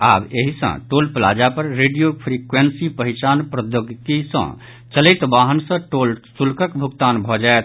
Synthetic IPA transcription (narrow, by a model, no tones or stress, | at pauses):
a̰beɦisə̰̃ʈolpla̰d͡ʒapəɾːeɖijopʰɾikwensipəɦit͡ʃanpɾəd̪joɡk̪isə̰̃ | t͡ʃəlɛt̪baɦənsə̃ʈolsulkəkbʱuɡt̪anbʱɔd͡ʒaet̪̚ʰ